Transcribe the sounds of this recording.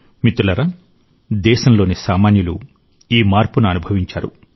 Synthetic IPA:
mit̪ulɐɾɐ | d̪ɛːʃɐmlo̞ːnisaːmaːnjɐlu | iːmaːɾpunuɐnubʱɐʋiɲt͡ʃaːɾṵ

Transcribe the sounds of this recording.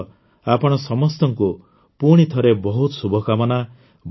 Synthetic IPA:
apɔɽ̃ɔsɔmɔst̪ɔŋku | puɽ̃it̪ʰɔɾebɔɦut̪ɔsubʱɔkamɔna | b

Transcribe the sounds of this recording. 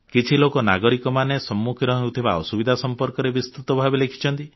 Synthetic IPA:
kit͡ʃʰilokɔnaɡɔɾikɔmanesɔmːukʰiɾɔɦewt̪ʰibaɔ̰subid̪ʱasɔmpɔɾkɔɾebist̪ut̪ɔbʱabelekʰi̥t͡ʃʰɔnt̪i

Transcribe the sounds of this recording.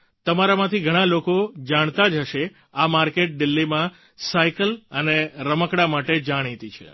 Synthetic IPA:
t̪əmaɾamãt̪ʰiɡʱəɽ̃ãlokod͡ʒaɽ̃t̪ad͡ʒəʃe | amaɾkeʈ̚ɖilːimã | saikələneɾəməkɽamaʈed͡ʒaɽ̃it̪it͡ʃʰḛ

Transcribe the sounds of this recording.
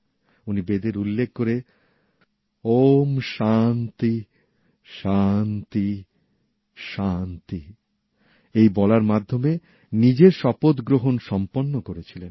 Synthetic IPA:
unibed̪eɾulːekʰkoɾe | omʃant̪i | ʃant̪i | ʃant̪i | ejbɔlaɾmad̪ʱːome | nid͡ʑeɾʃɔpot̪ɡɾoɦonʃɔmponːokoɾet͡ɕʰilen

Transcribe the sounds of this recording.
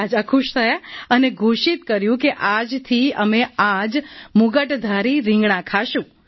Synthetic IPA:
ad͡ʒakʰuʃt̪ʰəjaəneɡʱuʃit̪kəɾjũkeʔad͡ʒt̪ʰiəmead͡ʒmuɡəʈd̪ʱaɾiɾɪ̃ŋɡɳãkʰaʃũ

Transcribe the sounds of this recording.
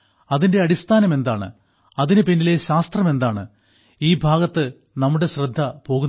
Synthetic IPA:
ɐðinde̞ɐɽist̪ʰaːnɐme̞nd̪aːɳɨ̰ | ɐðinɨpinːile̞ɕaːst̪rɐme̞nd̪aːɳɨ | iːbʱaːɣɐt̪ːɨ | nɐmːuɽe̞ɕrɐd̪ʱːɐpo̞ːɣunː

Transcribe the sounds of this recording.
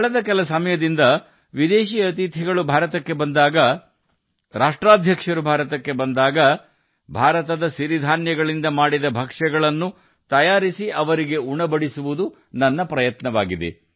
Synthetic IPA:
kɐɭɐd̪ɐkɛlɐsɐmɐjɐd̪ind̪ɐ | ʋid̪eːʃiːɐt̪it̪ɦɛɡɐɭubʱaːɾɐt̪ɐkːe̞bɐnd̪aːɡɐ | ɾaːʂʈɾaːd̪ʱjɐkʂɐɾubʱaːɾɐt̪ɐkːe̞bɐnd̪aːɡɐ | bʱaːɾɐt̪ɐd̪ɐsiɾid̪ʱaːnjɐɡɐɭind̪ɐmaːɽid̪ɐbʱɐkʂɛɡɐɭɐnːu | t̪ɐjaːɾisiʔɐʋɐɾiɡe̞uɳɐbɐɽisuʋud̪u | nɐnːɐpɾɐjɐt̪nɐʋaːɡid̪ḛ

